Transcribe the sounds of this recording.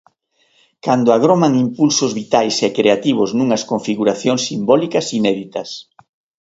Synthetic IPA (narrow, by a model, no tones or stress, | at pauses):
kand̪ʊaɣ̞ɾomaŋimpulsʊzβit̪ajsɛkɾeat̪iβ̞ʊznũŋɐskoɱfiɣuɾaθjoŋsːimbɔlikɐsinɛðit̪ɐs